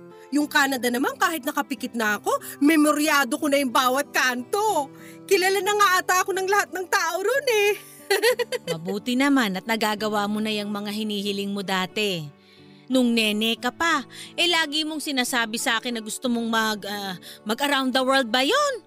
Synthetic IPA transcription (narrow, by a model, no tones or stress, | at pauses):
jʊŋkaːnɐd̪ɐnɐmankaːhɪt̪̚nɐkɐpɪkɪt̪̚nɐʔɐko̞mɛmoɾjaːd̪okonɐjʊŋbaːwɐt̪̚kaːnt̪o̞ | kɪlalanɐŋaʔat̪aʔɐkonɐŋlɐhat̪̚nɐŋt̪aːʔoɾonɛ | mɐbuːt̪ɪnɐmanɐt̪̚nɐɡaːɡɐwaːmonɐjɐŋmɐŋaɦɪniːhɪlɪŋmod̪aːt̪ɛ | nʊŋnɛnɛːkɐpaʔɛlaːɡɪmo̞ŋsɪnaːsaːbɪsɐʔaːkɪnːɐɡʊst̪omoŋmɐɡɐmɐɡɐɾawnd̪ɐwɛld̪̚bɐjon